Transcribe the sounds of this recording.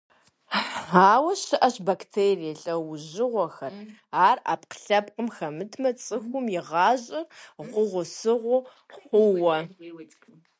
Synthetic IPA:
aːwɐɕɨʔɐɕbaktʰeːrijɛɬʼɐwʊʑɪʁʷɔxɐraːra̰ːpqə̥ɬɐpqəmxɐmɨtʰmɐt͡sʼɨxʷʊmjɪʁɑːʑʼɪrʁʷʊʁʷʊsɨʁʷʊ | ħχʷʊwɐ

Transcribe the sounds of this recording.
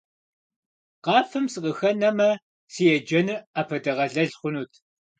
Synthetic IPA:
qɑːfɨmsɨqəxɐnɐmɐ | sijɛd͡ʒɐnɨaːpʰɐdɐʁɐɮɐɮχʷʊnuːtʰ

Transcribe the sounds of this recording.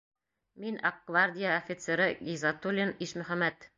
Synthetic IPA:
minʔɐq̚ɡ̥vard̪ʲɪjaofʲit̪seɾɤɡizɑt̪ulʲiniʃmɵ̆χæmːæt̪

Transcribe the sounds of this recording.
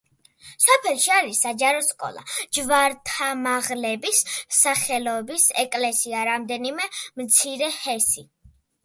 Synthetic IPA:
sɔpʰɛlˠʃiaɾisːad͡ʒaɾɔskʼɔ̰lˠa̰d͡ʒvaɾt̪ʰamaʁlɛbisːaχɛlɔɛbisɛkʼlɛsiaɾamd̪ɛnimɛmt̪sʰiɾɛhɛsi

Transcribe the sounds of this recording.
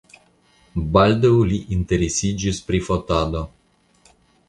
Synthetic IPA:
bald̪euliʔint̪eɾesid͡ʒispɾifot̪ad̪o

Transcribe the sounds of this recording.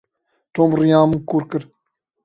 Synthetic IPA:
t̪oːmɾijãːmɨkuːɾkɨɾ

